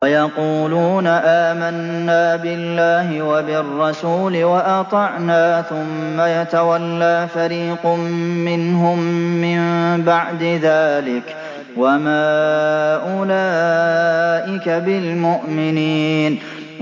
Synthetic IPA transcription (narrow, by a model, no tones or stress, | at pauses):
ajɑquːluːnaʔaːmanːaːbɪlːaːɦɪwabɪrˤːɑsuːlɪwaʔɑt̪ˤɑʕnaːθʊmːajat̪awalːaːfaɾiːqʊmːɪnɦʊmːɪmbaʕd̪ɪðaːlɪk | wamaːʔʊlaː | ʔɪkabɪlmʊʔmɪniːn